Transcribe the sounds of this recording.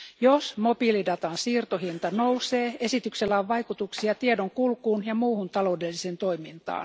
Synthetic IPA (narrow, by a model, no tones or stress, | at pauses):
josmobilidɑt̪ɑnsiːrt̪ohint̪ɑnouwseːesit̪ykselːæoʋʋɑjkut̪uksiɑt̪iedoŋkulkuːnjɑmuːhunt̪ɑlo̞udelːisent̪o̞imint̪ɑ̰ːn